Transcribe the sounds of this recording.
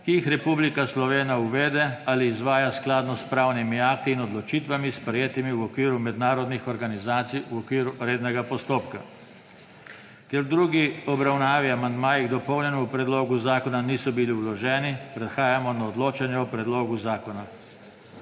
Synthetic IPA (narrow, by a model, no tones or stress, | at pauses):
kiixɾɛpublikaslɔʋeːnauʋeːd̪ɛaliːzʋaːjasklaːd̪nɔspɾaːwnimiaːk̚t̪iːnɔd̪lɔt͡ʃiːt̪ʋamispɾɛjeːt̪imiwɔkʋiːɾumɛd̪naːɾɔd̪nixɔɾɡanizaːt̪sijuɔkʋiːɾuɾeːd̪nɛɡapɔst̪oːpka | kɛɾd̪ɾuːɡiɔbɾawnaːʋiamand̪maːjiɣd̪ɔpɔwnjɛnuupɾɛd̪loːɡuzaːkɔnaniːsɔbiliwlɔʒɛːnipɾɛt̪xaːjamɔnaɔd̪loːt͡ʃanjɛɔpɾɛd̪loːɡuzaːkɔna